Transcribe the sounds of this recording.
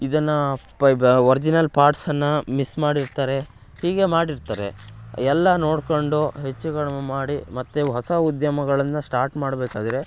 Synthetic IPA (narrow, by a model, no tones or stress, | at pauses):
id̪ɐnːɐpʋɐɾd͡ʒinɐlpaːɾʈsɐnːɐmismaːɽiɾt̪aːɾe̞ | hiːɡe̞maːɽiɾt̪aːɾe̞̰ɛlːɐno̞ːɽkoɳɖoɦet͡ʃːuɡɐɭmaːɽimɐt̪ːuɦɔsɐud̪jɐmɐɡɐɭɐnːɐsʈaːɾʈmaːɽbeːkaːd̪ɐɾe̞